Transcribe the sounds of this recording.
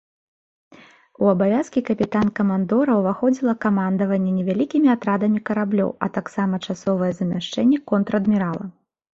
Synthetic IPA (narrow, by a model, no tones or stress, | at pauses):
uɐbavʲaskʲikɐpʲit̪ankɐmand̪ɔɾɐwvaxɔd͡zʲilˠɐkamand̪ɐvɐnʲːɛnʲɛvʲalʲikʲimʲiat̪ɾad̪ɐmʲikɐɾablʲɔ̰wɐ̰t̪aksamɐt͡ʂasɔvɐjɛzɐmʲaʂt͡ʂɛnʲːɛkɔnt̪ɾɐɐd̪mʲiɾalˠɐ̰